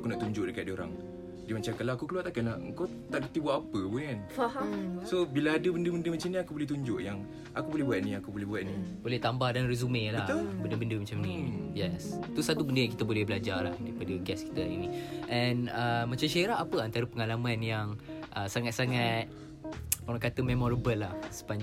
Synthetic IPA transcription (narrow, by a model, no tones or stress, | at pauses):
akunaʔt̪uɲd͡ʒʊʔdəkat̪̚doɾa̰ŋ | dimat͡ʃamkalaakukəluat̪akalaə̰ŋkaw | t̪aʔdət̪ibuaʔapəpukanfahasobilaːdəbəndəbəndəmat͡ʃamniakubolɛht̪uɲd͡ʒʊʔjaŋ | ʔakubolɛbuat̪nĩakubolɛɦbuat̪̚nibolɛht̪ambahdanrezumelahbəndəbəndəmat͡ʃamnijɛst̪usat̪ubəndəjaŋkit̪əbolɛhbəlad͡ʒarla̰hdaɾipadəɡɛski̥t̪əḭniʔɛnəmat͡ʃamʃaeɾaʔapəant̪aɾəpəŋalamãnjaŋʔəsaŋat̪̚saŋat̪̚ | poɾãŋkat̪əmemɔɾəbəlːahsə̥paɲd͡ʒ